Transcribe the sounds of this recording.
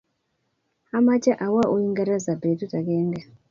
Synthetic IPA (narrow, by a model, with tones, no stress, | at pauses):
a˦ma˦t͡ʃa˦ʔa˨wa˦ʔu˦i˦ŋɡa˦ɾa˦za˨be˨tu˦ta˨ke˦ŋɡa˨